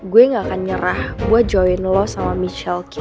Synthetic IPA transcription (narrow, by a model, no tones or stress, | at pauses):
ɡuɛŋakanɲəɾahɡuad͡ʒɔwɛnlɔsamamit͡ʃɛlk